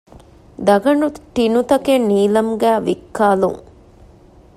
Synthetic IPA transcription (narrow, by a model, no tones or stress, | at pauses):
d̪ɐɡɐnut̪inut̪ɐkenːiːlɐmɡæːʋikːaːlṵŋ